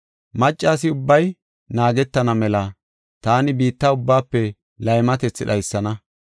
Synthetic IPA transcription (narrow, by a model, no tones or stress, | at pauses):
mɐt͡ʃʼːaːs̬ɪʊbːɐj | naːɡɛt̪ːɐnɐmɛlɐ | t̪aːnɪbiːt̪ːaʊbːaːpːɛ | lɐjmɐt̪ɛt͡sːɪɗɐjsːɐnɐ